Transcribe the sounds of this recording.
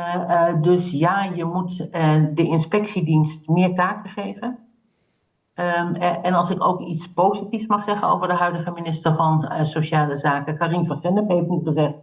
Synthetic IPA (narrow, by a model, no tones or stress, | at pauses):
dɵsjaːjəmutdəɪnspɛksidinstmɪːɹtaːkəχejvən | ɛnɑlˠsɪko̰wkitspowzitifsmɑχsɛχəno̰wvərdəɦœɥdəχəminɪstəɹvɑnsowʃaːləzaːkəkarinfəχɛnəpɦejftnitχəzɛχt